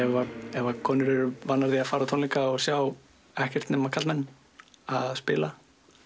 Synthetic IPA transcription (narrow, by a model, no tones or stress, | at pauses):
ɛvaɛvakʰɔːnʏɾɛɾʏvanːaɾðiaðfaːɾat̪ʰonliŋkaɔɣsjaw | ɛhcɛɾ̥t̪nɛːmakʰat̪lmɛnː | aðspɪ̰ːla